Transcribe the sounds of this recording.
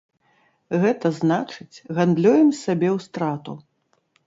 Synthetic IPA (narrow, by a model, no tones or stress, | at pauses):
ɣɛt̪ɐznat͡ʂɨt͡sʲɣand̪lʲujɛmsʲabʲɛwst̪ɾat̪ṵ